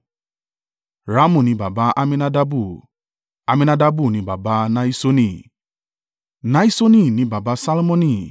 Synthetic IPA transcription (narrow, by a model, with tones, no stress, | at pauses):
ɾa˨˦mũ˨nĩ˨˦ba˨ba˨˦ʔa˧mĩ˧na˦da˧bu˦˨ | a˧mĩ˧na˧da˧bu˦˨nĩ˧˦ba˨ba˦nã˦i˦so˦nĩ˧˨ | nã˦i˦so˦nĩ˦˨nĩ˨˦ba˨ba˧˦sa˦lo˦mɔ̃˦nĩ˧˨